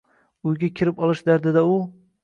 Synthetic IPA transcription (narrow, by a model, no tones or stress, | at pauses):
ʊjɡʲakʲʰɪɾɪpɒlˠɨʃd̪aɾd̪ad̪aʊ